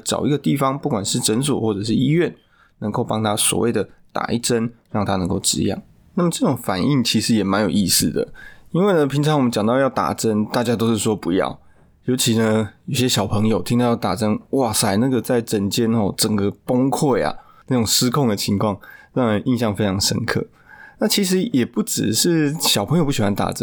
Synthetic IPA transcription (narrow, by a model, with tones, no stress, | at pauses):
ʈ͡ʂɑ̰˨˩ʊi˧˥ɡə˧t̪i˥˨˩fɑ˦ŋpu˥˩kwa˨˩nʂɻ̩˥˩ʈ͡ʂə˧˥ns̬wɔ̰˨˩xwɔ˥˩ʈ͡ʂɤ˨˩ʂ̬ɻ̩˥˩i˥ɥɛ˥˨n | nə˧˦ŋko˥˩ʊpɑ˥ŋt̪ʰa˥swɔ̰˨˩wḛ˥˩ɪd̪ə˩t̪a̰˨˩ḭ˥˩ʈ͡ʂə˦nɻɑ˥˩ŋt̪ʰa˥˦nə˧˥ŋko˥˩ʊʈ͡ʂɻ̩̰˧˥jɑ̰˥˩ŋ | na˥˩mə˨˩ʈ͡ʂɤ˥˩ʈ͡ʂʊ˨˩ŋfa˨˩ni˥˩ŋt͡ɕʰi˧˥ʂɻ̩˧˥jɛ˨˩ma˧˦njo˨˩ʊi˥˧s̩˥˩d̪ə̰˩i˥nwe˥˩ɪnə˩pʰi˧˥ŋt͡sʰɑ˧ŋwmə˦t͡ɕɑ˨ŋt̪ɑ˥˧ʊjɑ˥˩ʊt̪a̰˨˩ʈ͡ʂə˦˥nt̪a˥˩t͡ɕja˥t̪o˥ʊʂɻ̩˥˩ʂwɔ˦˥pu˧˥jɑ̰˥˩ʊ | jo˧˥ʊt͡ɕʰi˧˥nə˧jo˨˩ʊɕjɛ˦˥ɕjɑ˨ʊpʰə˧˥ŋjo˨ʊt̪ʰi˥ŋt̪jɑ˥˩t̪a̰˨˩ʈ͡ʂə˦nwa˥˩sa˨˩ɪna˥˩ɡə˩t͡sa˥˩ɪʈ͡ʂə˧˥nt͡ɕjɛ˥nɔ˥˩ʈ͡ʂə˨˩ŋɡə˦po˥ŋkʰwe˥˩ɪa̰˩ | na˥˩ʈ͡ʂʊ˨˩ŋs̩˥kʰʊ˥˩ŋd̪ə˩t͡ɕʰi˧˥ŋkʰwɑ˥˧ŋɻɑ˥˩ŋla˨˧˦ʔi˥˧nɕjɑ˥˩ŋfe˥ɪʈ͡ʂʰɑ˧˥ŋʂə̰˦˥nkʰɤ̰˥˩ | na˥˩t͡ɕʰi˧˥ʂ̬ɻ̩˧˥jɛ˨˩pu˥˩ʈ͡ʂɻ̩˨˩ʂɻ̩˥˩ɕɑ˨˩pʰjo˨˧p̬u˥˩ɕi˨˩xwa˧˥nt̪a̰˨˩ʈ͡ʂə˦